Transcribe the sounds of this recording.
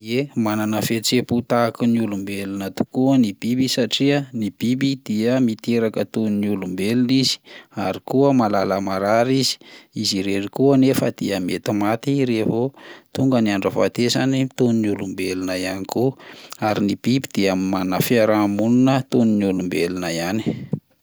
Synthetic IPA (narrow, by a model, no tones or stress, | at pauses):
emananəfet͡seput̪akiniulumbelinat̪u̥kuənib̥ibisaʈ͡ʂiənib̥ibid̪̥iəmit̪eɾakət̪unnulumbelunizi̥aɾikuəmalaləmaɾaɾizi̥iziɾerikuənefəd̪̥iəmet̪imat̪iɾevot̪uŋɡəniaɳɖ͡ʐəva̰t̪ezanit̪oninulumbelunəjanikuaɾinib̥ibid̪̥iamimanafiaɾamununət̪oniniulumbelunəjani̥